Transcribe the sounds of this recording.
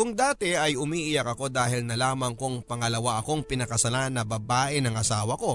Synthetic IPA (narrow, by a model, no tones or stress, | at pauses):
kʊŋd̪aːt̪ɪʔɐjʊmiːʔɪjɐkɐko̞d̪aːhɪlnɐlaːmɐŋkʊŋpɐŋɐlɐwaʔɐko̞ŋpɪnɐkɐsɐlanɐbɐbaːʔɪnɐŋʔɐsaːwɐko̞